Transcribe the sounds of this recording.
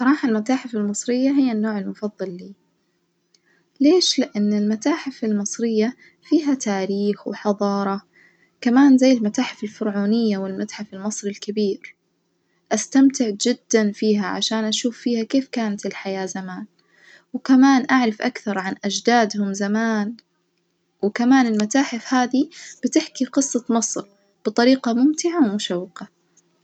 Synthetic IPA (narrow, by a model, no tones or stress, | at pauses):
sˤɑɾˤɑːħalmat̪aːħɪfalmɨsˤɾɪjːaɦɪjːanːoːʕɪlmʊfɑðˤːɑlːiː | leːʃlɪʔanːɪlmat̪aːħɪfɪlmɨsˤɾɪjːa | fiːɦat̪aːɾiːxwɪħɑðˤɑːɾˤɑ | kamaːnzajːɪlmat̪aːħɪfɪlfʊɾʕuːnɪjːawɪlmat̪ħafɪlmɨsˤɾɪlkabiːɾ | ʔast̪amt̪ɪʕd͡ʒɪd̪ːanfiːɦaʕa̰ʃaːnʔaʃuːfːiːhakeːfkaːnat̪ɪlħajaːzamaːn | wɪkamaːnʔaʕɾɪfʔakθɑɾˤʕanʔad͡ʒd̪aːd̪hʊmzamaːn | wɪkamaːnɪlmat̪aːħɪfhaːðib̥ɪt̪ɪħkiqɨsˤːɑmɑsˤɾ | b̥ɨt̪ˤɑɾiːqɑmʊmt̪ɪʕawmʊʃawːɪqa